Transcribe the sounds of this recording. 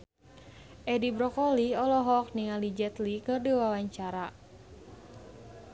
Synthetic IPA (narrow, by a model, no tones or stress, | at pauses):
ʔɛdibɾɔkɔliɔlɔɦɔk̚niŋalid͡ʒɛt̪likɨrdiwawaɲt͡ʃaɾa